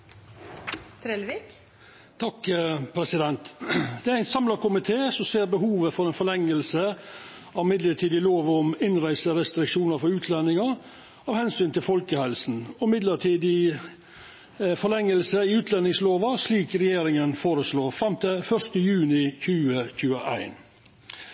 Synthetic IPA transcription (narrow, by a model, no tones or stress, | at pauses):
t̪ʰɾelʋik | t̪ʰɑkpʰɾɛsɪd̪ɛnt̪d̪̥ɛæɾæɪnsɑmlɑkʊmɪt̪ʰeːsɔmseːɾbəɦuːʋəfɔɾɛɪnfɔɭɛŋːəlsə | ɑʋmɪd̪ləʈʰiːd̪ɪloːʋɔmɪnɾæɪsəɾɛst̪ɾɪkʂuːnəfɔɾʉːt̪ʰlɛnːɪŋɑ | ɑːʋhɛnsyːnt̪ʰɪlfɔlkəhɛlsn̩ɔmɪd̪ləʈʰiːd̪ɪ | fɔɭɛŋːəlsəɪʉːt̪ʰlɛnːɪŋsloːʋɑsliːkɾɛjeːɾɪŋənfoːɾəsloːfɾɑmt̪ʰɪfœʂt̪əjʉːnɪçʉːəçʉːəʔæ̰ɪn